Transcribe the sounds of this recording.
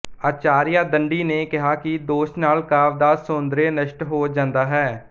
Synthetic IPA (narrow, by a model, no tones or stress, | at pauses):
aːt͡ʃaːɾɪjaːd̪əɳɖiːneːkɪɦaːkɪd̪oːʃnaːlkaːʋd̪aːsõːnd̪ɾeːnəʃʈɦoːd͡ʒãːnd̪aːɦɛː